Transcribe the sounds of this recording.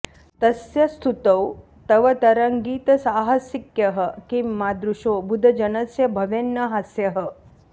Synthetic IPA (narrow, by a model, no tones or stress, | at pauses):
t̪ɐsjɐst̪ʰut̪ɐw | t̪ɐʋɐt̪ɐɾɐŋɡiːt̪ɐsaːɦɐsikjɐɦɐ̆kimːaːd̪ɾuʃoːbud̪ʱɐd͡ʒɐnɐsjɐbʱɐʋenːɐɦasjɐɦɐ̆